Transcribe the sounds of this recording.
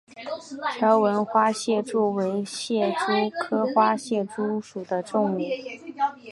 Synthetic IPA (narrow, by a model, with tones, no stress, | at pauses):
ʈ͡ʂʰɤ˧˥wə˧˥nxwa˥ɕjɛ˥˧ʈ͡ʂu˥˩we˧˥ɪɕjɛ˥˩ʈ͡ʂu˥kʰɤ˥xwa˥ɕjɛ˥˩ʈ͡ʂu˥ʂu˨˩d̪ə˦ʈ͡ʂʊ˥˧ŋu˥˩